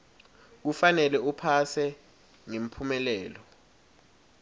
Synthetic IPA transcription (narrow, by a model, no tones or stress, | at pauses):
k̬ufanɛlɛupʰasɛ | ŋem̩pʰumɛlɛːlɔ